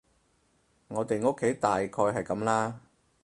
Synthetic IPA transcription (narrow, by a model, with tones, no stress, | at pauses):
ŋɔː˨˧t̪e˨jŋo˥kʰːe˨˥jt̪aː˨jkʰɔː˧jɦɐ˨jkɐ˨˥mlaː˥